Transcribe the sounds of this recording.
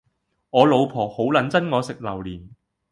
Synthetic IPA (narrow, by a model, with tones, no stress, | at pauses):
ŋɔː˨˧lo˨˧wpʰɔː˨˩ho˨˥wlɐ˨˥nt͡sɐ˥nŋɔː˨˧sɪ˨k̚lɐ˨˩wliː˨˩n